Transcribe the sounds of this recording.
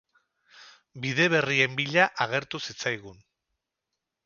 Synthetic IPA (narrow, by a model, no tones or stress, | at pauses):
biðe̞β̞e̞rie̞mbiʎaʔaɣ̞e̞ɾt̪usit͡sajɣ̞un